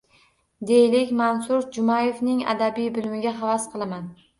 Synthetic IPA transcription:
d̪e̞jɪlɪkʲmansʊɾd͡ʒʊmajevnɪŋa̰d̪abijbɪlmɪɡʲaɦɑvasqʰɨlˠaman

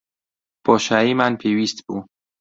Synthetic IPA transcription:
b̥ɔːʃæimanpʰewiːst̪bu

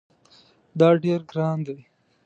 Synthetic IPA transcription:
d̪ɑːɖeɾɡɾɑːnd̪e

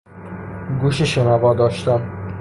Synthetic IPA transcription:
ɡuʃiʃenæbɒːd̪ɒːʃt̪æm

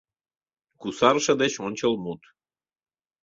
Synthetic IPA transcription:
kusɑrʃɤ̆d̪et͡ɕonʲt͡ɕəlmut̪

